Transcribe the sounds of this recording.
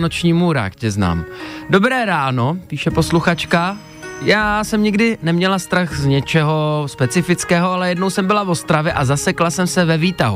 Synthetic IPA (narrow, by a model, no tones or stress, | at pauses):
not͡ʃɲiːmuɾa̰ːkcɛzna̰ːmdo̞bɾɛːɾaːno̞piːʃɛpo̞sluxat͡ʃka | jaːsɛmɲɪɡdɪnɛmɲɛlast̪ɾaxzɲɛt͡ʃɛɦo̞spɛt͡sɪfɪt͡skɛːɦo̞alɛjɛdno̞wsɛmbɪlavo̞st̪ɾavjɛʔazasɛklasɛmsɛvɛviːt̪aɦu